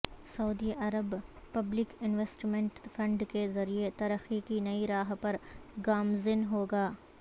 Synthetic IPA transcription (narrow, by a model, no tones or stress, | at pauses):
sɐʊd̪iʔɐɾəbpɐblɪkɪnʋɛsʈmɛ̃ɳʈfʰɐ̃ɳɖkezɐɾiet̪ɐɾəxikinɐiɾaːɦpɐɾɡaːmzɪnɦoːɡaː